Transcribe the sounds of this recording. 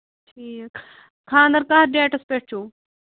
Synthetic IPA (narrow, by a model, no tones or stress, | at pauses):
ʈʰiː | kʰãːnd̪ɐɾkaɦɾɖeːʈɐspeːʈt͡ʃʰoː